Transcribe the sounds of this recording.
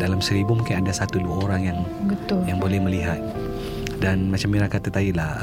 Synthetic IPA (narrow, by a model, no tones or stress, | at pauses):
dalamsəɾibumuŋkɪnadasat̪uluaoɾaŋjaŋ | bət̪ʊljaŋbolɛhməliɦat̪̚ | danmat͡ʃamiɾakat̪at̪adilah